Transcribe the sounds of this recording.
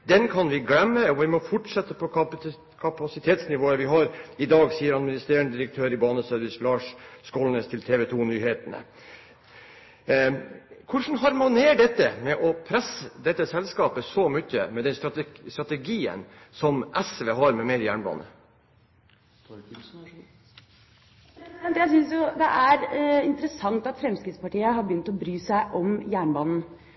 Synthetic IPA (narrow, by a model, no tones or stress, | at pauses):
d̪ɛnkʰɑnʋɪɡlɛmːəɔʋɪmɔfɔʈʂɛt̪ːəpʰɔ | kʰɑpɑsɪt̪ʰeːt̪snɪʋoːəʋɪɦɑɾɪd̪ɑːɡsiːəɾɑd̪mɪnɪst̪eːəɳəd̪ɪɾək̚t̪ʰøːɾɪbɑːnəsød̪ʋɪslɑːʂskoːlneːst̪ʰɪlt̪ʰeːʋɛt̪ʰunyːheːt̪ənə̰ | kʰʊʂn̩ɦɑɾmʊneːɖɛt̪ːəmɛʔɔpʰɾɛsːəd̪ɛt̪ːəsɛlskɑːpəsɔmʏçːəmɛd̪ɛnst̪ɾɑt̪st̪ɾɑt̪ɛɡiːə̰n | sɔmʔɛsʋɛɦɑːɾmɛmeːɾəjæːɳbɑ̰ːnə̰ | ɛnd̪jæsʏnsjʊd̪ɛʔæɾɪnt̪əɾəsɑŋt̪ɑt̪fɾɛmskɾɪt̪spɑʈiːəɦɑɾbjʏnt̪ɔbɾyːsæɪʔɔmjæːɳbɑːnn̩